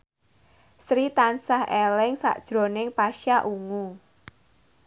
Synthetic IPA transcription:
sɾit̪ansahelɪŋsa̰d̥ʒ̥ɾo̤nɪŋpaʃaʔuŋu

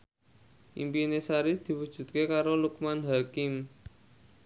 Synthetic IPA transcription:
ʔḭmpinesaɾid̪̥i̤wud̥ʒ̥ṳt̪̚kekaɾoluk̚manɦakɪm

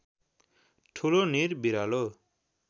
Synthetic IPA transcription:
ʈʰuloniɾbiɾalɔ

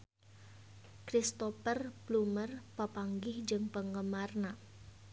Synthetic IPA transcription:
kɾist̪ɔfərblumərpapaŋɡɪhd͡ʒɨŋpəŋɡəmarna

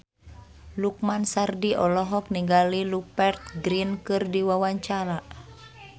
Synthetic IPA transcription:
luk̚mansardiʔɔlɔɦɔk̚niŋɡalilupɛrt̪̚ɡɾinkɨrdiwawaɲt͡ʃaɾa

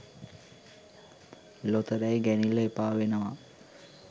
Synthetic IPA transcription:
lot̪əɾæjɡænilːəepaːʋenəʋa

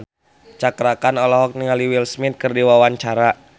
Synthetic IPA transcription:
n | t͡ʃakɾakanɔlɔɦɔk̚niŋaliwilsmɪt̪̚kərdiwawaɲt͡ʃaɾa

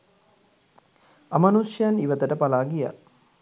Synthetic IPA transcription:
amanuʃjaniʋət̪əʈəpalaːɡija̰

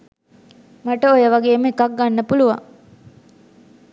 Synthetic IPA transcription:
maʈəojəʋaɡeːməekak̚ɡanːəpuluʋa̰ŋ

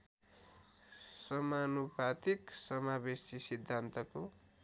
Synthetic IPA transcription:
sʌmanupat̪iksʌmabesisid̪ʱːant̪ʌko

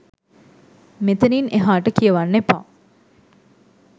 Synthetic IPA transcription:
met̪ənineɦaːʈəkijəʋanːepa̰ː

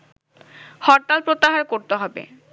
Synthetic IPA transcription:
hɔɾʈ̪alpɾot̪ːaɦaɾkoɾt̪eɦɔbḛ

